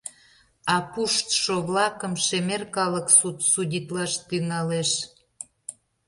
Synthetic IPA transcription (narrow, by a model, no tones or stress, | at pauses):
ɑpuʃt̪ʃoβlɑkə̆mʃemerkɑləksut̪sudʲit̪lɑʃt̪yŋɑleʃ